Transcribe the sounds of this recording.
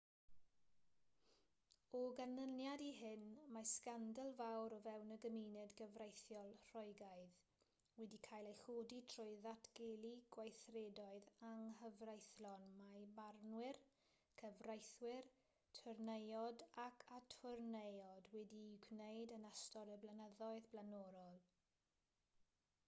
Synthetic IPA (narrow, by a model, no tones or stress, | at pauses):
ɔɡanənjadiɦɪnmaskandəlˠvawɾɔvɛwnəɡəmiːnɨdɡəvrejθjɔlˠr̥ɔɨɡajð | wɛdikʰajlˠejɬoːditʰr̥ɔɨðatʰɡ̥eːlˠiɡ̥wajθrɛdɔɨðaŋɦəvrajθlɔnmabarnwɪr | kʰəvrajθwɪr | tʰɔrnejɔdakʰatʰɔrnejɔdwɛdiɡwnejdənastɔɾəblanəðɔɨðblanɔɾɔlˠ